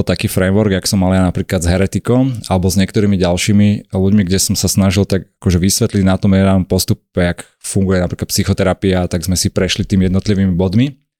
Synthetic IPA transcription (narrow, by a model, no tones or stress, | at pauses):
t̪akiːfɾɛmʋɔɾɡjaksɔmːaljanapɾiːklad̪zɦɛɾɛt̪ikɔmalɛbɔzɲɪɛkt̪ɔɾiːmiɟalʃiːmiluɟmiɡɟɛsɔmsasnaʒilt̪aɡakɔʒɛʋisʋɛt̪liɟnat̪ɔmjɛɛɾanɔmpɔst̪upɛak | fuŋɡujɛnapɾiklat̪psixɔt̪ɛɾapiat̪aɡzmɛsipɾɛʃlit̪iːmijɛd̪nɔt̪liʋiːmibɔd̪mi